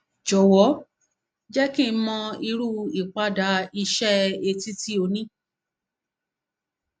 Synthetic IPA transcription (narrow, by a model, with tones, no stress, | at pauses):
d͡ʒɔ˨wɔ˨˦ | d͡ʒɛ˦kĩ˦˧˦mɔ̃˧i˧ɾu˦i˨k͡pa˧da˨˦i˧ʃɛ˦e˧ti˦ti˦o˧nĩ˦